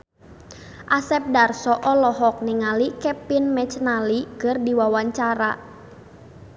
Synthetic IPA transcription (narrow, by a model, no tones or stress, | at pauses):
ʔasɛp̚darsɔʔɔlɔɦɔk̚niŋalikɛpɪnmɛt͡ʃnalikərdiwawaɲt͡ʃaɾa̰